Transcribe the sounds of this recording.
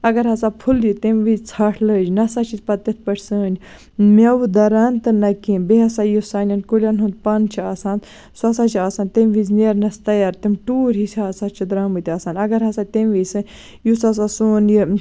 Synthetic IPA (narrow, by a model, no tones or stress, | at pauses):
ɐɡɐɾɦɐsaːpʰuljit̪emʋizt͡sʰaːʈʰləːd͡ʒinɐsat͡ʃʰit̪pɐt̪ːɐt̪̚ʰpɐʈʰʲsəːnʲ | mʲɐwud̪ɐɾaːnt̪ɨnɐkinbeɦɐsaːjusaːnʲɐnkulʲanɦund̪̚pɐnt͡ʃʰiaːsãːnd̪ | sɐsaːt͡ʃʰiaːsaːnt̪emʲʋizneɾnɐst̪ɐjaɾt̪imʈuːɾʲɦisʲaːsaːt͡ʃʰid̪ɾaːmɨt̪ʲaːsaːnʲɐɡɐɾɦɐsaːt̪emʲʋisɨnʲ | jusɐs̬asuːnji